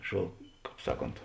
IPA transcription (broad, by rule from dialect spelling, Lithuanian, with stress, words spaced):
ʃoː ˈkɑːp ˈsɑːˌkoːnt